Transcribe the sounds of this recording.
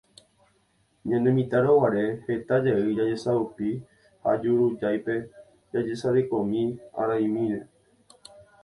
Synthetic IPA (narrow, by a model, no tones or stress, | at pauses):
ɲãnẽmĩt̪aɾowaɾe̞het̪ad͡ʒeɨd͡ʒad͡ʒe̞saupi | ha̰d͡ʒuɾud͡ʒajpe̞ | d͡ʒad͡ʒesaɾekomĩa̰ɾaj̃mĩɾe